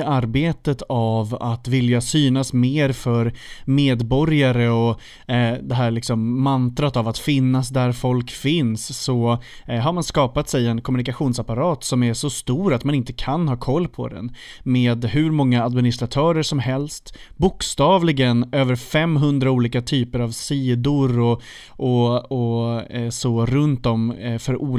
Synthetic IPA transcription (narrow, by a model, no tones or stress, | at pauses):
aɾbeːt̪ət̪ʰavat̪vɪljasyːnasmeːɾfœɾmeːd̪bɔɾjaɾəɔ | d̪ɛɦæːɾɭɪksɔmːant̪ɾat̪avat̪fɪnːasd̪æɾfɔlkfɪnsːɔ | ɦaɾmanskɑːpat̪sɛjɛnkʰɔmɵnɪkaɧuːnsapaɾɑːt̪sɔmæʂɔst̪uːɾat̪manɪnt̪əkʰanhɑːkʰɔlːpʰɔ̰d̪ɛ̰n | meːd̪hɵ̟ɾmɔŋːaad̪mɪnɪst̪ɾat̪ʰœːɾəʂɔmɦɛlst̪bʊkst̪ɑːvlɪɡənøːvəɾfɛmːɦɵnd̪ɾauːliːkat̪ʰyːpəɾavsiːd̪ʊɾɔ | ʔɔɔ | sɔɾɵnt̪dɔmfœɾʔuː